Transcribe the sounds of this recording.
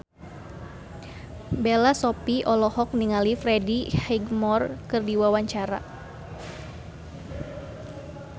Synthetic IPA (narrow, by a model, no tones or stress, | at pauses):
belasɔpiʔɔlɔhɔk̚niŋalifɾɛdihɛɡmɔrkɨrdiwawaɲt͡ʃaɾa̰